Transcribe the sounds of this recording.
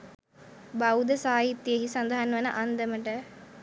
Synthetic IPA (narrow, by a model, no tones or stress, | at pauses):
bawd̪əsaːɦit̪ːjeɦisɐnd̪aɦanʋɐnə̰ʔand̪əməʈə